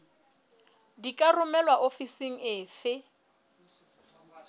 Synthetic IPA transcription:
dikʼarʊmɛlwaʔofisiŋ̩ɪːfɪ

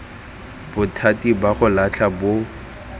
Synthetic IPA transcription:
bʊtʰatibaχʊlat͡ɬʰabo

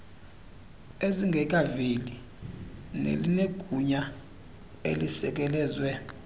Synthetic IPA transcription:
eziŋɡʱɛk̬ʼavili | nḛlineɡ̥ʱuɲa | ḛlisɛk̬ʼɛlɛːzwɛ

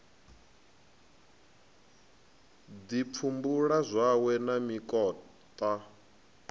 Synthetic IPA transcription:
dip̪fʰumbuɺazʷawɛnamikʼɔː | t̪ʼa

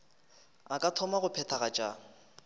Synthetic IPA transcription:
akʼatʰɔmaɣʊpʰɛtʰaɣat͡ʃʼaː

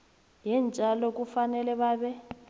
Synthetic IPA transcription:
jɛnd͡ʒʼʱalɔk̬ufanɛlɛβaːɓɛ

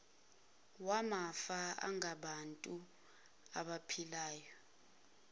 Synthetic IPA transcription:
wamafaa̰ŋɡaɓantʼu | aɓapʰilaːjɔ

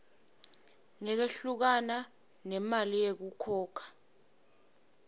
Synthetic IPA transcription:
ŋɛk̬eɬuk̬ana | nɛmalijek̬ukʰɔːkʰḁ

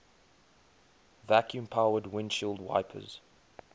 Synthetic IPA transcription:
vækʰjũmpʰaʊədwɪ̃nʃilˠdwa̰ɪpʰə̰z̥

